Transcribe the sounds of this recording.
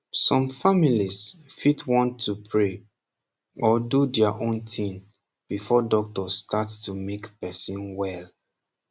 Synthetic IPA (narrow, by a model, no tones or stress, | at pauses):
sɔ̃mfamilisfitwɔ̃ntʰːupʰɹe | ɔdudɛaʔõntʰĩn | b̥ifɔdɔk̚tɔstatstumekpɛsĩnwɛl